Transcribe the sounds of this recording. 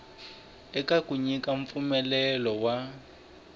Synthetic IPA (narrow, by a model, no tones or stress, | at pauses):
ɛkakuɲikaɱ̩p̪fumɛlɛlɔwa